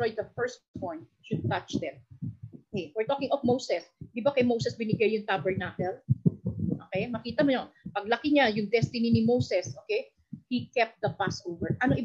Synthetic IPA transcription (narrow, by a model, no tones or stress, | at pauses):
ojd̪d̪ɐfɛɹstpɔ̃jnt̪̚ | ʃʊd̪̚t̪ɐt͡ʃd̪ɛt̪̚ookɛjfɛɹt̪oːkɪ̃ŋɔfmowsɛsd̪ɪbakɐjmowsɛsbɪnɪɡɐjjʊŋt̪abɛɹnaːkɛl | ʔoːkɛjmɐkiːt̪ɐmʊjonpɐɡ̚lɐkɪɲajʊŋd̪ɛst̪ɪninɪmowsɛsʔoːkej | hikɛp̚t̪̚d̪ɐpasʔowvɛɹʔɐnoʔɪ